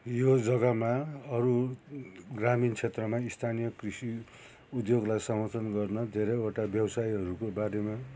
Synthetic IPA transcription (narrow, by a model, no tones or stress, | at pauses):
jod͡zʌɡʌmaʌɾu | ɡramint͡sʰet̪rʌmaist̪ʰanijʌkrisi | ud̪joɡlajsʌmʌt̪ʌnɡʌrnʌd̪ʱeɾʌoʈabjʌwsaiɦʌɾukobaɾema